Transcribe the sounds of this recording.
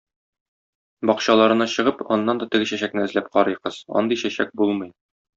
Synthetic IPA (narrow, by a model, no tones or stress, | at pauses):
bɒqɕɑlˠɑɾɤ̆nɑɕɤ̆ʁɤpɒnːɑnd̪ɒt̪ɘ̆ɡɘɕæɕæknɘɘ̆zlæp̚qɒɾɤjqɤz̥ɒ̰nd̪iɕæɕæ̰k̚bulˠmɤj